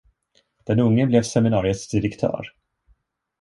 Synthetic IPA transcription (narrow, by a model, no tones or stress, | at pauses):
d̪̥ɛnɵŋːəblɛvsɛmɪnɑːɾɪət̪sd̪ɪɾɛkt̪ʰœ̰ːɾ